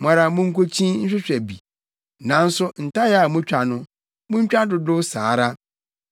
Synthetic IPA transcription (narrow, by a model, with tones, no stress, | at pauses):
m˨ã˨ɾa˨mʊ̃˦ŋ̩˦kʰo˦t͡ɕʰĩ˦n̩˦ɕᶣɪ˦ɕᶣɛ˨bi˨ | nã˨n̩˦sʊ˦n̩˨ta˦jɛ˦a˨mʊ̃˦t͡ɕᶣa˨nʊ̃˦ | mʊ̃˦ɲ˦t͡ɕᶣa˦dʊ˨dʊ˦saː˨˦ɾa˦